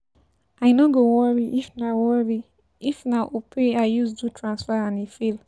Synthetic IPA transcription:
aɪnɔɡowɔɹiʔifnawɔɹi | ifnaʔopʰeaɪjusdutʰɹãnsfɛãnifil

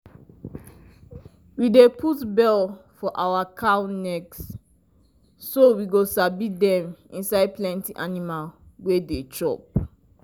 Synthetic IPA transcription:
widepʰutbɛlfɔʔawakʰanɛks | sowiɡosabidɛ̃mḭ̃nsaɪd̚plɛ̃ntiʔanimalwedet͡ʃʰɹɔ̰p̚

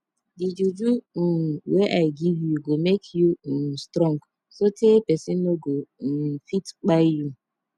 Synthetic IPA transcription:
did͡ʒud͡ʒu | weʔaɪɡivjuɡomekʰjustɾɔ̃ŋɡ | sotʰepesinoɡofitk͡paɪju

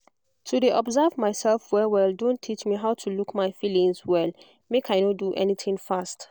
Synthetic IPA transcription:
tʰudeʔɔbzavmaɪsɛlfwɛwɛldõntʰit͡ʃmiɦaʊtʰulukmaɪfilĩŋzwɛl | mekʰajnɔduʔɛ̰nitʰĩŋfast

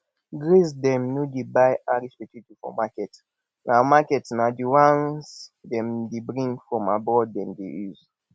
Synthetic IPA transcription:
ɡɹisdɛ̃mnodebajaɾispɛtitifɔ̰makɛt | namakɛtnadiwãnsdɛ̃mdebɾĩŋɡfɹɔ̃mabɔdɛ̃mdḛjuz

